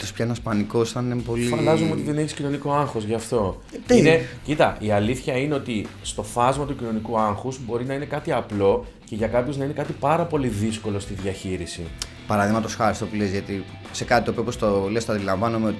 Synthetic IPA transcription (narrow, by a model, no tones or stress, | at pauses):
t̪ospçɐenɐspɐniko̞sθɐnepo̞lifɐndɐzumeo̞t̪iðe̞neçi̥scino̞niko̞ɐŋxo̞zʝɐːft̪o̞ | inecit̪ɐʔiɐliθçɐine̞o̞t̪i | st̪o̞fɐzmɐt̪ucino̞nikuɐŋxuzbo̞ɾinɐine̞kɐt̪iɐplo̞ | ce̞ʝɐkɐpço̞znɐine̞kɐt̪ipɐɾɐpo̞liðisko̞lo̞st̪iðʝɐçiɾisḭ | pɐɾɐðiɣmɐt̪osxɐɾist̪o̞pulezʝɐt̪i | se̞kɐt̪it̪opiopost̪olest̪ɐnd̪ilɐɱvɐnumeot̪i